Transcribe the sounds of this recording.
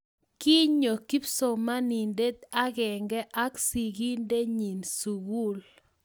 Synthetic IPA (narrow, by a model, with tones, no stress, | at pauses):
ki˦ɲo˨ki˦pso˨ma˦ni˨nde˦t̪a˦ɣɛ˨ŋɡɛ˦ʔa˦ksi˨ɡi˦nde˦ɲi˨nsu˨ɣu˦l